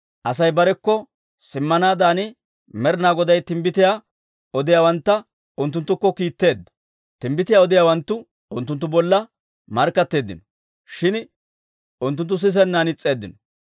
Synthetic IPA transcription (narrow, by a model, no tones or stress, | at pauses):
ʔɐsɐjbɐɾɛkːɔ | sɪmːɐnaːd̪aːnɪ | mɛɾnaːɡɔd̪ɐjt̪ɪmbɪt̪ɪjaː | ɔd̪ɪjaːwɐnt̪ːɐ | ʊnt̪ːʊnt̪ːʊkːɔkiːt̪ːe̞ːd̪ːɐ̥ | t̪ɪmbɪt̪ɪjaːɔd̪ɪjaːwɐnt̪ːʊ | ʊnt̪ːʊnt̪ːʊbɔlːɐ | mɐɾkːɐt̪ːe̞ːd̪ːɪnɔ̥ | ʃɪn | ʊnt̪ːʊnt̪ːʊs̬ɪs̬ɛnːaːnɪt͡sʼːe̞ːd̪ːɪnɔ